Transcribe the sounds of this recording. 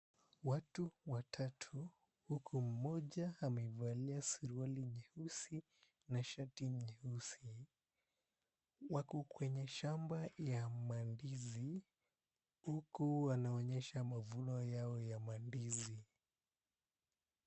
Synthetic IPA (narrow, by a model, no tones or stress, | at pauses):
watuwatʰatʰu | hukʰum̩mɔʄahamɛivaliasiɾualiɲɛhusi | naʃatiɲɛhusi | wakukwɛɲɛʃambajamandizi | hukuwanaɔɲɛʃamavunɔjaɔjamandizi